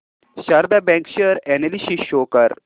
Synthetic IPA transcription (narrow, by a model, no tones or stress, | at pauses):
ɕaɾd̪abɛ̃ŋkɕəɾɛneliɕiɕokəɾ